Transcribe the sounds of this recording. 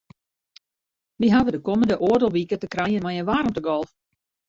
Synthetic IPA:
ʋiɦavədəkoməndəʔoərdəlˠʋikətəkrɛjənmajənʋaːrəmtəɡɔlˠf

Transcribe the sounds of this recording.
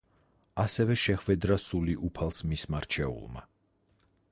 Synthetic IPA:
asɛvɛʃɛχvɛd̪ɾasuliʔupʰalˠsmismaɾt͡ʃʰɛṵlˠma̰

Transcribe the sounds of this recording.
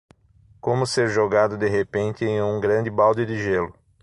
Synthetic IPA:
kõmʊseɾʒoɡad̪ʊd̪eɦepẽnt̪ɪẽj̃ũɡɾɐ̃nd̪ɪbawd̪ɪd̪ɪʒelʊ

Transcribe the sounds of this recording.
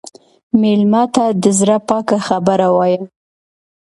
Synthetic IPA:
melmɑt̪ad̪əzɾapɑkaxabəɾawɑjəm

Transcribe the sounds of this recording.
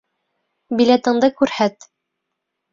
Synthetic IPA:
bilæt̪ɤ̆ɴd̪ɤkʉɾhæt̪

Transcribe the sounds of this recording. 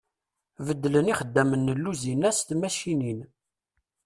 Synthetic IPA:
vəd̪ːələniχəd̪ːæmənːəlːuzinæst̪mæʃinin

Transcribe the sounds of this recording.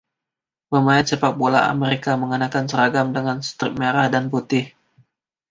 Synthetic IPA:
məmaɛt̪̚səpak̚bola̰a̰meɾikaməŋənakansəɾaɡamdəŋanst̪ɾɪk̚meɾahdanput̪ɪh

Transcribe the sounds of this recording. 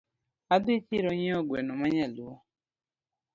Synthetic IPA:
adɪt͡ʃiɾɔɲeɔɡwenɔmaɲaluɔ

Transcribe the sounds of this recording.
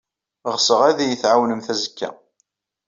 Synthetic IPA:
ʁsəʁæðijəθʕawnəmθæzəkːæ̰

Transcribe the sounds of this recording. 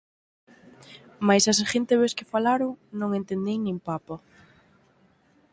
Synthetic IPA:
majsasaʃent̪ɪβeskɪfalaɾoŋnõŋent̪end̪ejnẽŋpapɐ

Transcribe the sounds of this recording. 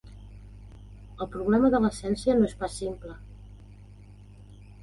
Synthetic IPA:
əlˠpɾuɣlɛməðələsɛnsiənoespasimplə

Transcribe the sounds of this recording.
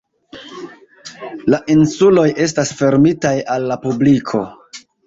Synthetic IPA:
laʔinsulo̞jʔe̞s̬tasfe̞ɾmitajalːapublikʰo̞̰

